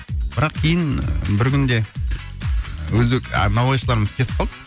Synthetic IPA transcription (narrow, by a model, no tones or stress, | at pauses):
b̥ɾɑqkʲʰejɪn̰bɪɾkʲʏnd̪e̞ | wɵzdeknɑwɑjʃəlˠɑɾəməzkʲʰe̞t̪ɪp̚qʰɑlˠd̪ə